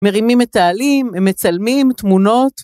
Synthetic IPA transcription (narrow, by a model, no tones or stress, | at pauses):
meʁimimet̪aːlimemːet͡salmimt̪muno̞t̪